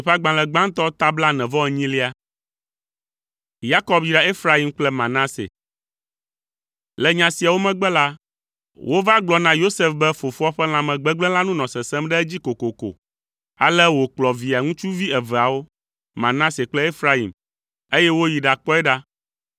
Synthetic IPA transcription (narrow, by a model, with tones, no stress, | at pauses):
ɸa˦ɡ͡bã˨lɛ˨ɡ͡bã˦ŋ˦t̪ɔ˦t̪a˦bla˦nɛ̃˨vɔ˦ɛ˨ɲĩ˦li˦a˦ | ja˦kɔ˦bjɾa˨e˦fɾa˦i˨mk͡plɛ˦mã˨nã˦sḛ˨ | lɛ˨ɲã˨si˨a˨wo˦mɛ̃˦ɡ͡bɛ˦la˦ | wo˦va˦ɡ͡blɔ˨nã˦jo˦se˦fbɛ˦fo˨fo˦a˦ɸɛ˦l̃ã˨mɛ̃˨ɡ͡bɛ˦ɡ͡blɛ̃˦la˦nũ˦nɔ̃˨sɛ˨sɛ˦mɖɛ˦ɛ˦d͡ʑi˦ko˨ko˨ko̰˨ | a̰˨lɛ˦wo˨k͡plɔ˨vi˨a˨ŋũ˦t͡ʃu˦vi˦ɛ˨vɛ˨a˨wo˦ | mã˨nã˦se˨k͡plɛ˦e˦fɾa˦ḭ˨m | e˦jɛ˦wo˦ji˨ɖa˨k͡pɔ˦ɛ˦ɖa˦